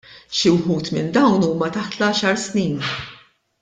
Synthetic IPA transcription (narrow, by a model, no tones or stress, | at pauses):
ʃiwħuːt̪mɪnd̪ɐwnuːmɐt̪ɐħt̪lɐɐʃɐɾsniːn